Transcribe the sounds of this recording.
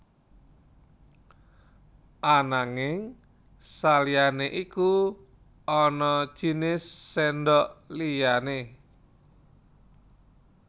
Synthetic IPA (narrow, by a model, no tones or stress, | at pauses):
ʔanaŋɪŋ | salijaneʔiku | ɔnɔd̥ʒ̥i̤nɪsːɛndɔʔlijane